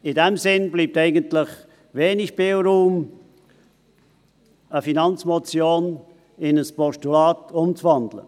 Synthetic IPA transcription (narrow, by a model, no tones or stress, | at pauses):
ɪdɛmsɪnbliːp̚tɛɪɡəntlɪç | veːnɪçb̥elɾuːm | əfinɑnt͡smɔt͡sjoːn | ɪnəspɔʃtulaːtʊmt͡svɑndlə̰